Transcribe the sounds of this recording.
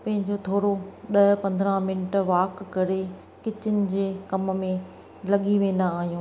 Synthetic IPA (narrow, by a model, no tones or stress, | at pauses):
pɐ̃ɦɪ̃ɲd͡ʑot̪ʰoːɾoɗɐpɐ̃nd̪ɾãmɪnɪʈʋaːkːɐɾe | kɪt͡ɕʊnɪ̆d͡ʑeːkɐm̆mẽ | lɐɠiʋẽːnd̪aaːɦijũː